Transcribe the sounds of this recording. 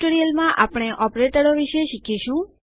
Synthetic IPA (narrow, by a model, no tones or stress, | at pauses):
ʈoɾijəlmãʔapɽ̃eʔɔpɾeʈəɾoʋiʃeʃikʰiʃũ